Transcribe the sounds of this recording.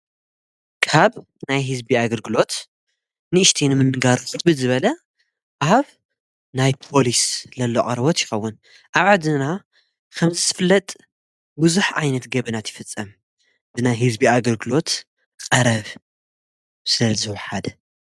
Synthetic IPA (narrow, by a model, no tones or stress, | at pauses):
kʰaβ | najɦɨzbiaɡɐlɡɨlo̞t̪ | nɨʔɨʃt̪ʰinɨmɨnːɨɡaɾut̪bɨzɨβɐlɐ | ʔaβ | najpʰo̞lislɐlːo̰ʔʼɐɾbot̪jɪxɐwːʊn | ʔaβʕad̪ɨna | kʰɐmzɨt̪ʰɨ̥fɨlːɐt̪ʼ | bɨzuħʕajnɐt̪ɡɐβinat̪jɪfɨt͡sʼːɐm | b̥ɨnajɦɨzbiaɡɐlɡɨlo̞t̪ | qʼɐɾɐβ | sɨlɐzɨwʊħad̪